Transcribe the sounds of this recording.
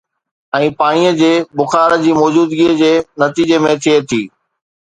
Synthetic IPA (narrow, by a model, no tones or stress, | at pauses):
ɛ̃ːpaːɽ̃ijəd͡ʑeːbʊxaːɾə̆d͡ʑiːmɔːd͡ʑuːd̪ɡiːəd͡ʑeːnɐt̪iːd͡ʑemẽt̪ʰiet̪ʰiː